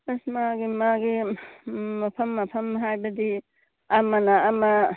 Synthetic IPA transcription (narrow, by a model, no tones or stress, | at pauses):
ɐsmaɡimaɡi | mɐpʰɐmːɐpʰɐmɦajbɐd̪i | amanaːma